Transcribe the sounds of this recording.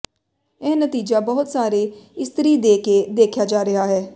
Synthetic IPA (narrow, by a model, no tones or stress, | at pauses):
eːnət̪iːd͡ʒaːbɔːʊt̪saːɾeːɪst̪əɾiːd̪eːkeːd̪eːkʰjaːd͡ʒaːɾɪɦaːɦɛː